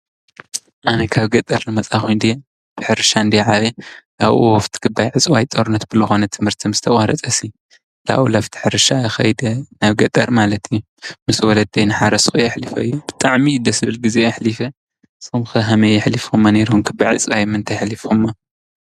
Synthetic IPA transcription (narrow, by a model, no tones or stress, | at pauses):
ʔanɐkʰaβɡɐt̪ʼɐɾnɨmɐt͡sʼakojnd̪ije | b̥ɨ̥ħɨɾɨʃaɨnd̪iʕaβela̰βʔuwɔft̪ʰi̥ɡɨbːajʕɨt͡sʼwajt̪ʼoɾunɐt̪̚b̥ɨlɨxo̞nɐt̪ʰɨmhɨɾt̪ʰimɨz̥st̪ʰɐχʼaɾɐt͡sʼɐsi | la̰wulaft̪ʰi̥ħɨɾɨʃaːxɐjd̪ɐnaβɡɐt̪ʼɐɾmalɐt̪ʰɨjːu | mɨswɔlɐd̪ɐjnɨħaɾɐsxueɐħlifɐ̰ɨjːub̥ɨt̪ʼaʕmid̪ɐsɨβɨlɡizeːħlifɐ | somxɐɦamɐɪħlifomːaneɾumkʰɨbːajʕɨ̰t͡sʼwajmɨnt̪ʰajħlifomːa